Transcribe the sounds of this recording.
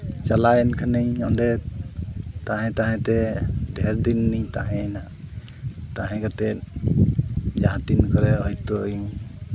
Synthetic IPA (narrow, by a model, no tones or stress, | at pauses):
t͡ʃalajɛnkʰanəjɔɳɖɛ | t̪ãɦɛ̃t̪aɦɛ̃t̪ɛɖʱɛɾd̪inːijt̪aɦɛ̃na | t̪aɦɛ̃kat̪ɛ | d͡ʒaãt̪inkɔɾɛɔjt̪ojũ